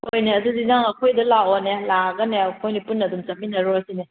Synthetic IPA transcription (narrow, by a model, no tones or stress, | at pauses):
hojneɐdudinaŋɐkʰojdɐlawɔnelaɡɐneɐkʰojnipunːɐdumt͡ʃɐm̚minɐɾɔɐsine